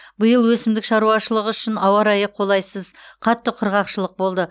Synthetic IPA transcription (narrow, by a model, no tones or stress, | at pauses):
bəjəlˠwɵsɪmd̪ɪkʃɑɾuɑʃəlˠəʁəʏʃɪnɑwɑɾɑjəqʰːo̞lˠɑjsəzqʰɑt̪ːəqʰʊɾʁɑqʃəlˠəq̚bo̞lˠd̪ə